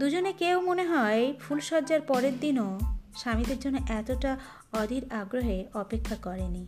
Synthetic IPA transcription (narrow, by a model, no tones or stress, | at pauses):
d̪ud͡ʑonekewmoneɦɔefʰulʃɔɾd͡ʑaɾpɔɾeɾd̪inoʃamid̪eɾd͡ʑonːoʔɛt̪oʈa | ɔd̪ʱiɾaɡɾoɦeɔpekʰːakɔɾeni